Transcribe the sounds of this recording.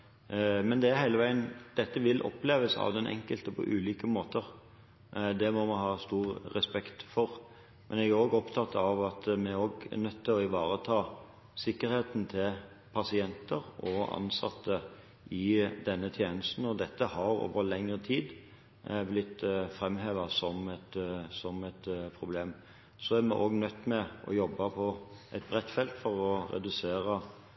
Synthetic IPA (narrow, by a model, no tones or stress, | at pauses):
mɛnd̪ɛæɾhæɪləʋæɪənd̪̥ɛt̪ːəʋɪlʔɔ̰pleːʋəsɑ̰ʋd̪ɛnʔɛ̰ŋkəlt̪əpʰɔ̰ʔʉːliːkəmoːt̪əɾ | d̪ɛmɔmɑɦɑːst̪uːʁʁɛspɛkt̪fɔʁ | mʔɛnɛɡæɾoːɡɔpt̪ʰɑt̪ːɑʋɑt̪mɛoːɡnœt̪ːɪlɔɪʋɑːɾət̪ʰɑː | sɪkːəɾheːt̪n̩t̪ʰɪl | pʰɑsɪɛnt̪əɾʔɔɑ̰nsɑ̰t̪ʰːə | ʔɪd̪ɛnːət̪ʰjeːnəst̪n̩ɔd̪ɛt̪ːəhɑɾo̰ːʋəɾlɛŋːʁət̪ʰiːd̪ | blɪt̪ːfɾɛmːɦeːʋɑsɔmɛt̪sɔmɛt̪pʰɾʊbleːm | sɔæɾmɛ̰ʔoːɡnœt̪ːmɛʔɔ̰jɔbːɑpʰɔʔɛt̪̚bʁɛt̪ːfɛlt̪fɔɾɔɾɛ̰d̪ʉseːɾɑ